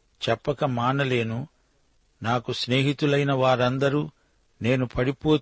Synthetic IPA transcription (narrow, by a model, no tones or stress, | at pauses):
t͡ʃɛpːɐkɐmaːnɐle̞ːnu | naːkusne̞ːɦit̪ulɐjnɐʋaːɾɐnd̪ɐɾuː | ne̞ːnupʰɐɽipo̞ː